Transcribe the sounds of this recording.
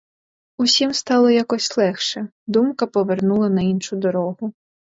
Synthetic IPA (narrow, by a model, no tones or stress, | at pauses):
usʲimst̪ɑlˠɔjakɔsʲlˠɛxʃɛ | d̪umkɐpɔʋernulˠɐnɐinʃʊd̪ɔɾɔɦʊ